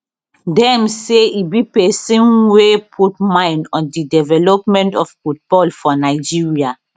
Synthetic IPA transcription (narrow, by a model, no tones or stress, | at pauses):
dɛ̃mseibipɛsĩnwepʰut̚mãɪ̃ndɔ̃ndidɛvɛlɔpmɛ̃ntɔffut̚bɔlfɔnaɪd͡ʒiɹia